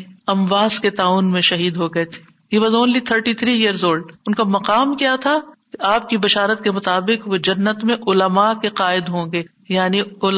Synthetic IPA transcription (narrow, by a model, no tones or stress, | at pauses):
ɐmʋaːzket̪aːuːnmẽʃɐɦiːd̪ɦoɡɐet̪ʰe̥ː | ɦiːʋaːzoːnliːt̪ʰəɾʈit̪ʰɾijijəɾzoːɖʊnkamɐqaːmkijat̪ʰakeʔaːp̚kibɐʃaːɾət̪̚kemʊt̪aːbɪqʋod͡ʒɐnːət̪mẽʔʊləmakeqaːɪd̪ɦõːŋɡeː | jaːniʊl